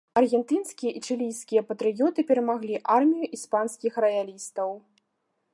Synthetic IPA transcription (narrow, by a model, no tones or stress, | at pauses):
ɐrɣʲɛnt̪ɨnskʲijɐʔit͡ʂɨlʲijsʲkʲijɐpɐt̪ɾɨjɔt̪ɨpʲɛɾɐmaɣlʲiʔarmʲijuʔispanskʲixrɐjalʲist̪ɐw